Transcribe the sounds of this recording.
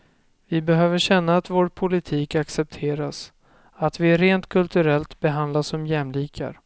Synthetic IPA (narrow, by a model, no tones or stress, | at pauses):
vɪbɛɦøːvəɕɛnːaːt̪voːɾpʰʊlɪt̪ʰiːkaksɛp̚t̪ʰeːɾas | at̪vɪɾeːnt̪kʰɵlt̪ɵɾɛlt̪bɛɦand̪lasɔmjɛmliːkʰa̰ɾ